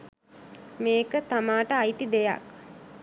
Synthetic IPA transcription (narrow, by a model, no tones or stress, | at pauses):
meːkət̪amaːʈəajt̪id̪eja̰k